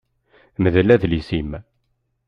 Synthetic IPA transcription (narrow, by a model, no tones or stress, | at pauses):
məðlæðlisim